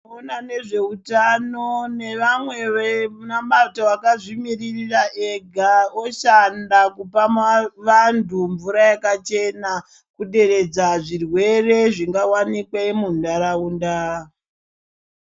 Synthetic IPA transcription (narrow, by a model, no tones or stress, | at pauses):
onane̞ʐe̞utanone̞ʋamwe̞ʋenamatowakaʐimiririraʔeɡʱaoʃandakupaʋantuɱvuɾajakat͡ʃe̞na | kuɗe̞ɾe̞d͡zaʐirwe̞re̞ʐiŋɡawanikwemundaɾaundaː